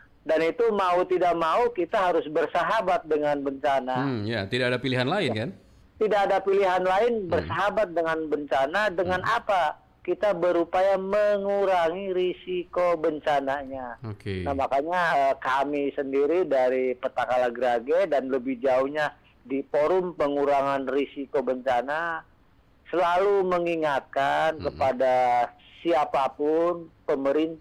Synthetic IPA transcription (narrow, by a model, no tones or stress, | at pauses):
danit̪umaut̪idak̚maukit̪aɦaɾʊsbərsaɦabat̪̚dəŋanbəɲt͡ʃanajat̪idakadapiliɦanlaɪnkan | t̪idakadapiliɦanlaɪnbərsaɦabat̪̚dəŋanbəɲt͡ʃanadəŋanʔapa | kit̪abəɾupajaməŋuɾaŋiɾisikobəɲt͡ʃanaɲaknahmakaɲaəkamisəndiɾidaɾipət̪akalaɡəɾaɡɛdanləbɪhd͡ʒauhɲa | dipoɾʊmpəŋuɾaŋanrisikobəɲt͡ʃana | səlaluməŋiŋat̪̚kankəpada | siapapʊnpəməɾint̪a